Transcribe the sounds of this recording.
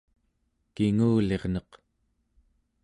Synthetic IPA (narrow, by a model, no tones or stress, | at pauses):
kiŋuːle̞ʁnʌq